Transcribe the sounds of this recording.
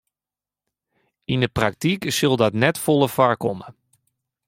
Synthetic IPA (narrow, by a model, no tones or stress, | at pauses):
indəprak̚tiksɵlˠdɔtnɛtfolˠəfaɹkɔmə